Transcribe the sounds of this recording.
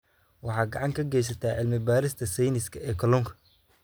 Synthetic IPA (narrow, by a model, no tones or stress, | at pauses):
wɑħɑːɡɑʕɑŋkʰɐɡɛjs̬ɐt̪ʰaːʕɪlmɪbaːɾɪst̪ʰɐsɛjnɪskʰɐɛːkʰɔlɔmkʰɐ̥